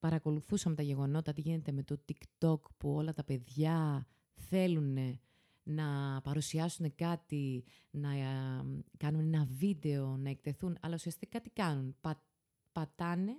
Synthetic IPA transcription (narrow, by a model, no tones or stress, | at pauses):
pɐɾɐko̞luθusɐmet̪ɐʝe̞ɣo̞no̞t̪ɐt̪iʝine̞t̪eme̞t̪o̞t̪ikt̪o̞kpuo̞lɐt̪ɐpe̞ðʝɐ | θe̞lune̞ | nɐpɐɾusiɐsune̞kɐt̪i | nɐ | kɐnune̞nɐvid̪e̞o̞nɐek̚t̪e̞θunɐ̰lɐusiɐst̪ikkɐt̪i̥kɐnunpɐ | pɐt̪ɐne̞